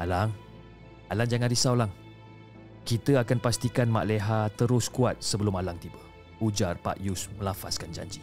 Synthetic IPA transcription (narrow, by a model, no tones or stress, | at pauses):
alaŋ | alaŋd͡ʒaŋanɾisawlaŋ | kit̪əakanpast̪ikanmaʔleɦat̪əɾʊskuat̪̚səbəlʊmalaŋt̪iba | ud͡ʒarpa̰ʔjusmə̃lafa̰skand͡ʒa̰ɲd͡ʒi